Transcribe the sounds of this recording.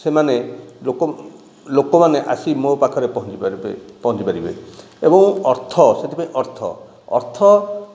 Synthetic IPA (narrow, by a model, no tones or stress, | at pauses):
semaneok | lokɔmaneʔa̰simopakʰɔɾepɔɦɔ̃nt͡ʃipabḛpɔɦɔ̃t͡ʃipaɾibḛ | ebɔŋɔɾt̪ʰɔset̪ʰipaĩʔɔɾt̪ʰɔ̰ | ɔ̰ɾt̪ʰɔ